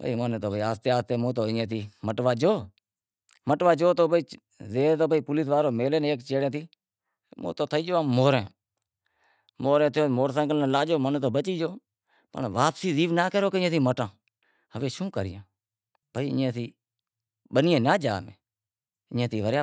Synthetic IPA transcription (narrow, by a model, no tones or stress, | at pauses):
bə̰iːmənːt̪oːbiːaːst̪eːaːst̪eːmõːt̪oːẽːt̪ʰiːməʈʋaːd͡ʒoː | məʈʋaːd͡ʒoːt̪oːbiː | zeːt̪oːbəiːpʊliːsʋaːɾoːmeːleːneːkt͡ʃeːɽẽːt̪iː | mõ̰ːt̪oːt̪ʰəiːd͡ʒoːaːmoːɾẽː | moːɾẽːt̪ʰjoːmoːɾsə̃ːkəlnːlaːd͡ʒoːmənːt̪oːbət͡ʃiːd͡ʒoː | pə̰ɳʋaːpsiːziːʋnaːkəɾoːkeɪẽːt̪ʰiːməʈãː | həʋeːʃũːkəɾɪjãː | pəiːɪẽːt̪ʰiː | ɓənɪjẽːnaːd͡ʒa̰ːmḛ̃ː | ɪẽːt̪ʰiːʋəɾjaː